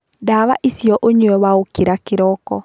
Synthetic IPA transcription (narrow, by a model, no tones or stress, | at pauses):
dawaʔisiɔʔoɲuɛwaokiɾakɪɾɔkɔ̰